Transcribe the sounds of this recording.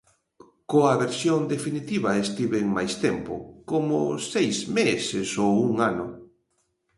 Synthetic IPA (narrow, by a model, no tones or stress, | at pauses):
koaβeɾsjond̪efinit̪iβaest̪iβeŋmajst̪empʊ̰komo̰sejzmesesowuŋanʊ